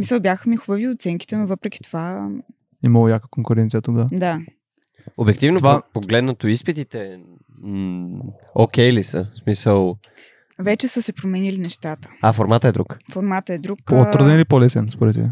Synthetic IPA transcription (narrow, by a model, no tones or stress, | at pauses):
misəlˠbʲjaxəmixvəviot̪sɛŋki̥t̪ɛnovɤpɾɛkʲi̥t̪ova | imɐlˠojakəkoŋkʊɾɛnt̪sijət̪oɡad̪a | obɛk̚t̪ivnot̪ovapoɡlɛd̪nət̪oispit̪it̪ɛ | okʲɛlisə̰smisəlˠ | vɛt͡ʃɛsəsɛpɾomɛnilinɛʃt̪at̪ə̥afoɾmat̪əɛd̪ɾukfoɾmat̪əɛd̪ɾukpɔt̪ɾud̪ɛnilipolɛsɛnspoɾɛt̪ːbɛ